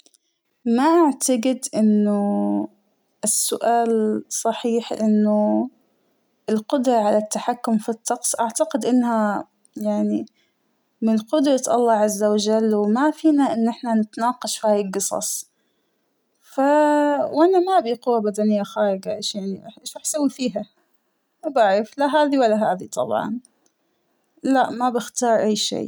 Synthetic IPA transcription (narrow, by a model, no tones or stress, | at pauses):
maʔaʕt̪aɡɪd̪ʔɪnːʊ | ʔɪsːʊ̰ʔaːlsˤɑħiːħʔɪ̰nːʊ | ʔɪlqʊd̪ɾˤɑʕalat̪ːaħakːʊmfit̪ːɑqsˤʔaʕt̪aqɪd̪ʔɪnːha | jaʕni | mɪnqʊd̪ɾɑt̪ʔɑ̰lˤːɑːʕazːawad͡ʒalːwmafiːnaʔɪnːʔɪħnanɪt̪nɑːqɑʃfihaːjɪlɡɨsˤɑ̰sˤ | fawʔanamabiqʊwːabad̪anɪjːaxaːɾɪɡaʔeʃjaʕniɪʃɾˤɑːħsawːifiːɦa | mabaʕɾɪflaɦaːðiwalːaɦaːðit̪ˤʰɑ̰bʕɑ̰n | laʔmabɪxt̪ɑːɾˤʔajːʃḛː